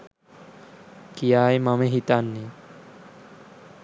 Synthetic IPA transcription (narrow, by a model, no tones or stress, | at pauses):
kijaːjmɐmeɦit̪anːe